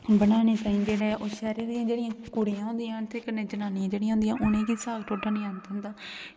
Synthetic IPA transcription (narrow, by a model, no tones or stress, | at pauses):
bənaːneːt̪aːĩːd͡ʒeːɽeːʔoːʃɛːɾiːd̪iːãːd͡ʒeːɽɪjãːkʊɽiãːɦʊ̃ːnd̪iːãːt̪ʰeːkənːẽːd͡ʒənaːnijãːd͡ʒeːɽiãːɦʊ̃ːnd̪ijãːʔʊnẽːkiːsaːɡʈʰoːʈaːnĩːãːnt̪aːɦʊ̃nd̪aː